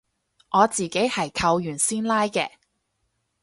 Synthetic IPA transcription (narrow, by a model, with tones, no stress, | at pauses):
ŋɔː˨˧t͡siː˨ke˨˥jhɐ˨˩jkʰɐ˧wjyː˨˩nsiː˥nlaː˥jkɛː˧